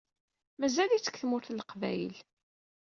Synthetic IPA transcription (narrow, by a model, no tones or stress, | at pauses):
mæzælit͡sːə̥kːθmʊɾθləqvæ̰jəl